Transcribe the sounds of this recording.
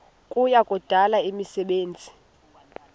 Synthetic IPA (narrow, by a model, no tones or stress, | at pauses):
kʼujakʼɔd̥ʱalaimisɛɓeːnd͡zʱi̥